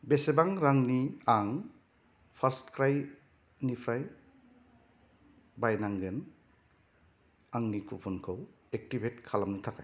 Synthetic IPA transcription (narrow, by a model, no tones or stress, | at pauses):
besebaŋɾaŋniaŋ | pʰaɾstkɾaj | nipʰɾaj | bajnaŋɡɯn | aŋnikʰupʰunkʰow | ek̚tibetkʰalamnɯtʰakaj